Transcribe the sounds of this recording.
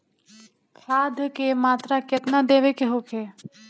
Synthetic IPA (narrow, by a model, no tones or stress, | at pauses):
kʰaːd̪ʱkemaːt̪ɾakɪt̪nad̪eːʋekeɦoːkʰeː